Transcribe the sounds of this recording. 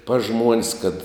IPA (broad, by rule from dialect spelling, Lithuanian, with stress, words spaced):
pɐs ˈʒmuɔnʲsʲ kɐt